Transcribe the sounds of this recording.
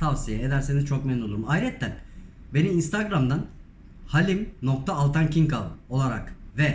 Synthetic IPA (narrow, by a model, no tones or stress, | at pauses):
t̪ʰavsijɛed̪æɾse̞nizt͡ʃʰo̞k̚meninolˠuɾumajɾɛt̪ːæn | be̞niːnst̪ʰaɡɾamd̪an | halʲimno̞k̚t̪ʰaːlˠt̪ʰancʰiŋkavo̞lˠaɾa̰kvɛ